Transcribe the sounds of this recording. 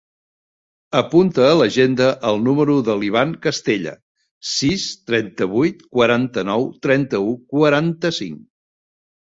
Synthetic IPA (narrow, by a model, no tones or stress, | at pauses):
əpunt̪əːləʒend̪əʔəlˠnuməɾuðəliβ̞aŋkəst̪eʎə̰ | sist̪ɾɛnt̪əβujt̪kwəɾant̪ənɔwt̪ɾɛnt̪əukwəɾant̪əsḭŋ